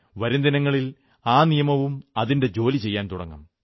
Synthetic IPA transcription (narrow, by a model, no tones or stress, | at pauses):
ʋɐɾind̪inɐŋːɐɭil | aːnijɐmɐʋumɐðinde̞d͡ʑo̞ːlit͡ɕe̞jːaːnt̪uɽɐ̰ŋːɐ̰m